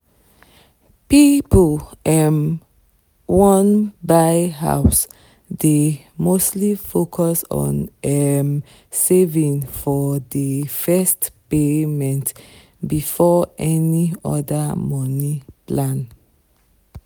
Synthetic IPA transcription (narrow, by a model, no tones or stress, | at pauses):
pipolɛm | wɔ̃nbajɦa̰ʊs | de | mostlifokʰɔsɔ̰̃nɛm | sevĩŋfɔdəfɛstpemɛ̃nt | bifɔʔɛniɔ̰damɔ̃niplãn